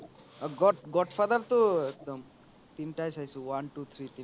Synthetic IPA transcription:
ɡɔʈɡɔʈfʰad̪əɾt̪oek̚d̪ɔm | t̪inʈajsajsũʋɐnʈut̪ʰɾit̪in

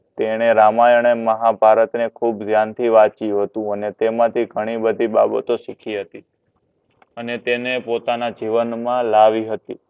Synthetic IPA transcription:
t̪eɽ̃eɾamajəɳ̃eməɦabʱaɾət̪nekʰubd͡ʒʱjant̪ʰiʋat͡ʃiũɦət̪ũənet̪emãt̪ʰiɡʱəɽ̃ibəd̪ʱibabət̪oʃikʰiɦət̪i | ənet̪enepot̪anad͡ʒiʋənmãlaʋiɦət̪i

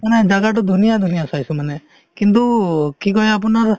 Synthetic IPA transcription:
məned͡ʒaɡaʈ̬ud̪ʱunijad̪ʱunijasajsuməne | kint̪̬ukikɔɦeap̬naɾ

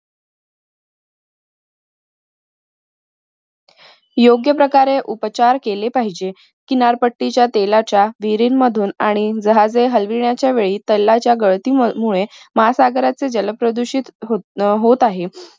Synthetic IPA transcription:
joɡjəpɾəkaɾeʔupt͡ɕaɾkelepaɦid͡ʑe | kiːnaɾpəʈːit͡ɕjat̪elat͡ɕjaʋiɾiːnməd̪ʱuːnaɽ̃id͡zəɦad͡zeɦəlʋiɳjat͡ɕjaʋeɭiːt̪əlːat͡ɕjaɡəɭt̪iːmuɭeməɦasaɡɾat͡sed͡ʑələpɾəd̪uɕiːt̪ɦot̪aɦe

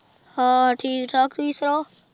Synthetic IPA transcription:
haʈʰiːkʈʰaːkɾiːsɾoː

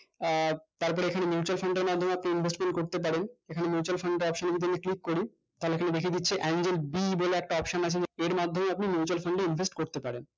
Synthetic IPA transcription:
t̪aɾpɔɾeekʰanemjut͡ɕualfʰaɳɖeɾmad̪ʱomeapniinbʱesʈmẽɳʈ̚koɾt̪ep̬aɾenekʰanemjut͡ɕualfaɳɖeɾɔpʃonebid̪̬eniklikːoɾi | t̪aɦoleekʰaned̪ekʰed̪itːɕʰeʔɛnd͡ʑelbiboleɛk̚ʈaɔpʃonat͡ɕʰed͡ʑeeɾmad̪ʱːomeapnimjut͡ɕualfʰaɳɖeinvʱesʈkoɾt̪epaɾen

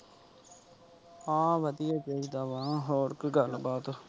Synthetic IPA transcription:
ãːʋəd̪ijaːt͡ʃeːkd̪aːʋãːɦoːɾkɡəlbaːt̪o

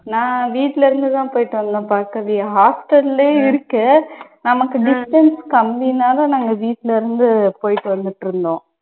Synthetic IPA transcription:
nãːʋiːʈːlɐɪɾɯnd̪ɯt̪ãːpoːjɪʈːɯʋɐnd̪ɐ̃paːɾkɐʋiɐɦaːsʈɐleːɪɾɯkːɐnɐmɐkːɯɖɪsʈɐnskɐmbiːnaːlɐnɐŋɡɐʋiːʈːlɐɪɾɯnd̪ɯpoːjɪʈːɯʋɐnd̪ɯʈːɾɯnd̪õː

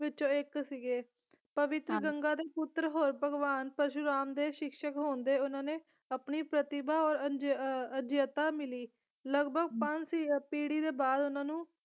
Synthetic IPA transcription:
ʋɪt͡ʃõːɪksiɡeː | pəʋɪt̪ɾəɡəŋɡaːd̪eːpʊt̪ːɾəɦoːɾpəɡʋaːnpəɾʃʊɾaːmd̪eːʃɪkʃəkɦoːnd̪eːʊnãːneː | apniːpɾət̪ɪbaːɔːɾəd͡ʒəd͡ʒjət̪aːmɪliː | ləɡbʱəɡ̚pə̃ɲt͡ʃipiːɽiːd̪eːbaːd̪ʊnãːnũː

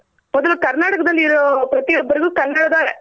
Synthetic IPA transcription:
mɔd̪ɐlukɐɾnaːʈɐkɐd̪ɐlːiːɾoːpɾɐt̪ijɔbːɐɾiɡuːkɐɾnːaɽɐd̪aːɾɛ

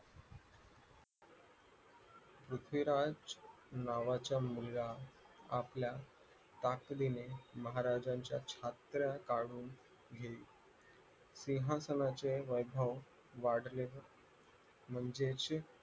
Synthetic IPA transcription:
pɾut̪ʰʋiɾad͡z | naʋat͡ɕjamula | a̰plja | t̪aklineməɦaɾad͡ʑaɲt͡ɕja̰t͡ɕʰat̪ɾjakaɽuːn | ɡʱeiː | siɦasənat͡seʋəjbʱəʋ | ʋaɽ̤le | m̤əɳd͡zet͡ɕ

